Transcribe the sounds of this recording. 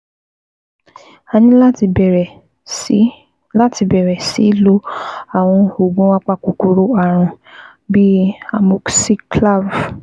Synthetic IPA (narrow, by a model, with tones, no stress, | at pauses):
a˧nĩ˦a˦˧˨ | la˦ti˧bɛ˨ɾɛ˨si˨˦lo˦a˨w̃ɔ̃˧o˨ɡ͡bɔ̃˦wa˦k͡pa˦ku˨ku˨ɾo˨˦a˦˨ɾ̃ũ˧ | bi˦a˨mo˦ksi˦kla˦˨v